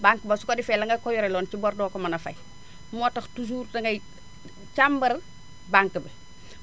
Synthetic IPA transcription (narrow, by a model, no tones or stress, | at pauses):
baŋkbɐsukodifɛlɐŋɡɐkɔjuɾɛlɔːnt͡ʃibɔɾdɔːkɔmɐnɐfɐ̰j | mɔːtɐxtus̬uːɾtɐŋɡɐj | t͡ʃambɐɾ | baŋkəbɐ